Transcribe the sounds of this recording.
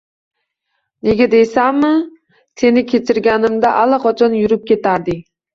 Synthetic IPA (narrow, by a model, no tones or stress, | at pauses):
neɡʲɛd̪ejsæmːɨ | senɪkʲʰet͡ʃʰɪɾɡʲænɪmd̪aʔælˠɨqʰɒt͡ʃʰɒnjyɾyp̚kʲet̪æɾd̪ɨ